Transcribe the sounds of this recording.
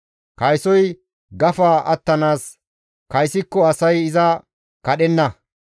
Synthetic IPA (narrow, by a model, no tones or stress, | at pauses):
kɐjsɔj | ɡɐfaːʔɐt̪ːɐnaːs | kɐjsɪkːɔɐsɐjɪzɐ | kɐɗɛnːɐ